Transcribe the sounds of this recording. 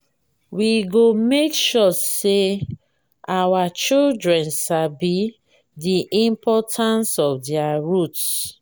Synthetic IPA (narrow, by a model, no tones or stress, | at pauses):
wiɡomekʃɔse | awat͡ʃildɹɛ̃nsabi | diʔĩmpʰɔtʰãnsɔfdiaɹuts